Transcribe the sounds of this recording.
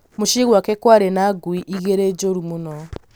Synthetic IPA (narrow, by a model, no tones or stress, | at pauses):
moʃiɣwakɛkwaɾenaɡwiʔiɣeɾed͡ʒoɾumonɔ